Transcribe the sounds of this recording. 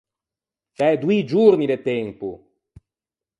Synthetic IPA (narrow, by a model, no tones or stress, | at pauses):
t͡ʃɛd̪uid͡ʒuɾnid̪et̪ːɛmpu